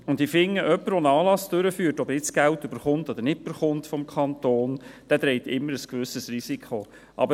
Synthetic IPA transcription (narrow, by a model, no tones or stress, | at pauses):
ʊndifɪŋːəʔœpːəɾʋonɑːlɑsd̥øɾəfyːɾtɔbəɾɪt͡sɡ̥æltøbəɾχʊntɔd̪əɾnɪt̚b̥əɾχʊntfɔmkʰχɑnt̪oːnd̥ɛd̪ɾɛɪtɪmːəɾəskʋʏsəsrisikʰχo | ʔɑ̰bə